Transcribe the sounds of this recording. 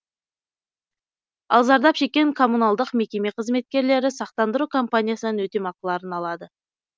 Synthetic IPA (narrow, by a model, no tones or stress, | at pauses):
ɑ̰lˠzɑɾd̪ɑpʃe̞kʲːe̞ŋkʰo̞mːunalˠd̪əqme̞kʲe̞me̞qʰəzme̞t̪̚kʲe̞ɾle̞ɾɪsɑq̚t̪ɑnd̪əɾukʰo̞mpanʲijasənənwɵt̪e̞mɑqəlˠɑɾənɑlˠɑd̪ə